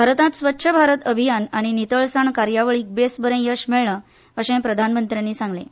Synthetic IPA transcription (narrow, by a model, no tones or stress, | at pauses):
bʱaɾət̪ãt̪sʋətːɕʰəbʱaɾət̪əbʱijanaɽ̃init̪əɭsaɳkaɾjaʋəɭiːk̚besbəɾẽjəɕmeɭɳə | əɕẽpɾəd̪ʱanmənt̪ɾjaniːsãŋɡlḛ̃